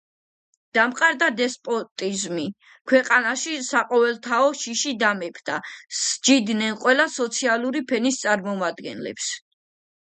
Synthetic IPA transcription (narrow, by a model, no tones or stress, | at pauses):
d̪̥amqʼaɾd̪ad̪ɛspʼɔt̪ʼizmi | kʰwɛqʼanaʃisaqʼɔvɛlˠt̪ʰaɔʃiʃid̪amɛpʰd̪̥asd͡ʒid̪nɛnqʼwɛlasɔt̪sʰialˠuɾipʰɛnist̪sʼaɾmɔmad̪ɡɛ̰nlɛ̰ps